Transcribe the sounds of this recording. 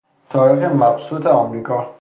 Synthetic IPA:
t̪ʰɒːɾiːxemæbsuːt̪ʰeɒːmɾiːkʰɒː

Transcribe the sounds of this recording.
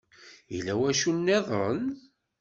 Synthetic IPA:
jilæwæʃunːeðˤɾən

